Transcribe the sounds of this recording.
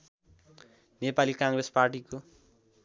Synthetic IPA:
nepalikãŋresparʈiko

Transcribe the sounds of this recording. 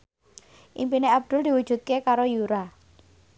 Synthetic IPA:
ʔimpineab̚d̪̥ʊ̤ld̪iwu̥ʒ̥ṳt̪̚kekaɾojuɾa

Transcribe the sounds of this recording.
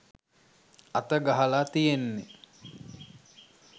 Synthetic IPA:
at̪əɡaɦəlaːt̪ijenːe

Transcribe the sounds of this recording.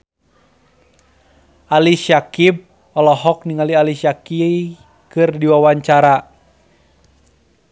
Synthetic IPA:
aliʃakib̚ | ɔlɔɦɔk̚niŋalialiʃaki | kɨrdiwawaɲt͡ʃaɾa

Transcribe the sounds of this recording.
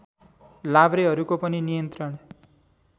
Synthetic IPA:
labɾeɦʌɾukopʌninijʌnt̪ɾʌɽ̃

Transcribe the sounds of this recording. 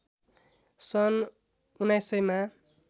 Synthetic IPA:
sʌn | unajsʌjma

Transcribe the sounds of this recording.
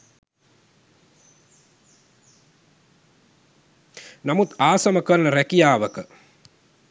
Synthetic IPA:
namut̪aːsɐməkəɾɐnəɾækijaːʋəkə

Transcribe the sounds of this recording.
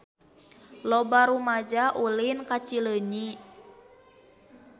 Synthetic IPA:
lɔbaɾumad͡ʒaʔulinkat͡ʃiləɲi

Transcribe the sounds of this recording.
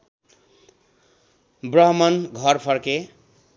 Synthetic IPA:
brʌɦmʌnɡʱʌɾpʰʌɾke

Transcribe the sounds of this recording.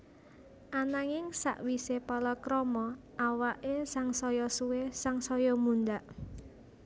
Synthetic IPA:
ʔanaŋɪŋsa̰ʔwisepɔlɔkɾɔmɔ | ʔawaʔesaŋsɔjɔsuwesaŋsɔjɔmund̪aʔ

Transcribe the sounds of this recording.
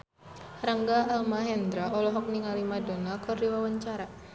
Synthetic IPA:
ɾaŋɡaːlmaɦɛnd̪ɾaʔɔlɔɦɔk̚niŋalimadonakɨrdiwawaɲt͡ʃaɾa

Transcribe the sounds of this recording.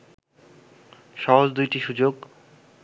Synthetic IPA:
ʃɔɦold̪ujʈiʃud͡ʑoɡ

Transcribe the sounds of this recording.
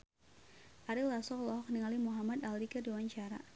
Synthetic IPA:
ʔaɾilasɔklɔɦɔk̚niŋalimuɦamad̪alikərdiwaɲt͡ʃaɾa̰

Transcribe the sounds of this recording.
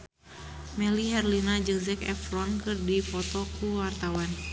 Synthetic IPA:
mɛliɦɛrlinad͡ʒɨŋzɛkɛ̰flɔnkɨrdipɔt̪ɔkʰuwart̪awan

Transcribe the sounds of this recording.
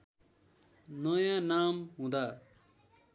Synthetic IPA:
nʌjãnamɦũd̪a

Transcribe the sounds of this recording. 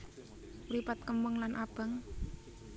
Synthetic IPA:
ɾipat̪̚kəməŋlanʔab̥əŋ

